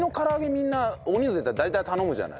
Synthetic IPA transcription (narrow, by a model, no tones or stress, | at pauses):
nokaɾaɡe̞mʲinːaoɲ̟ʲizɨet̪ad̪ait̪ajt̪ano̞mɯ̟ʑa̰na̰